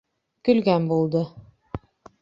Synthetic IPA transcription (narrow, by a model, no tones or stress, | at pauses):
kɵ̆lɡænbulˠd̪ɤ